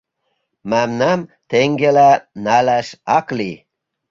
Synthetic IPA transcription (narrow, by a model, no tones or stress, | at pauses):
mæmnæmt̪eŋɡelænælæʃɑkli